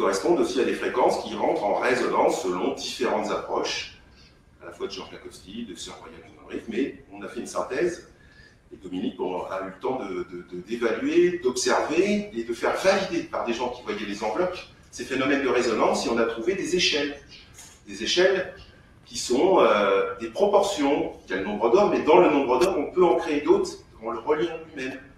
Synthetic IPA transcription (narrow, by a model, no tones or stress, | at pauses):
kɔʁɛspɔ̃d̪osiad̪efχekɑ̃skʲiʁɑ̃t̪χɑ̃ʁezɔnɑ̃sːəlɔ̃d̪ifeʁɑ̃t̪zapχɔʃ | alafwad̪əʒɑ̃flakɔskʲid̪əsyʁwajãt̪inɔ̃bʁitmɛɔ̃nafɛynsɛ̃t̪ɛz | ed̪ɔminikɔ̃na̰ylət̪ɑ̃d̪əd̪əd̪əd̪evalɥed̪ɔpsɛʁveːd̪əfɛʁvajid̪epaʁd̪eʒɑ̃kʲivwajɛlezɑ̃vlɔk | sefenɔmɛnd̪əʁezɔnɑ̃seɔ̃nat̪χuved̪ezeʃɛl | d̪ezeʃɛl | kʲisɔ̃ød̪epχɔpɔʁsjɔ̃d̪jalənɔ̃bʁəd̪ɔʁmɛd̪ɑ̃lənɔ̃bʁəd̪ɔʁɔ̃pøɑ̃kχeːd̪ot̪χd̪əvɑ̃ləʁəljɛ̃ymɛn